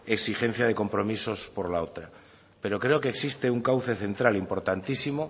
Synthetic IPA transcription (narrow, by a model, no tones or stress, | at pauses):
e̞ksixe̞n̟θjað̞e̞ko̞mpɾo̞miso̞spo̞ɾlao̞t̪ɾa | pe̞ɾo̞kɾe̞o̞keːksist̪euŋkawθe̞θe̞nt̪ɾalimpo̞ɾt̪ant̪isimo